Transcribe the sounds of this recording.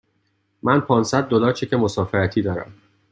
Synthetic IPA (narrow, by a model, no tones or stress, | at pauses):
mænpʰɒːnsæd̪̚ːolɒːɾt͡ʃʰecʰemo̞sɒːfeɾæt̪ʰiːd̪ɒːɾæ̰m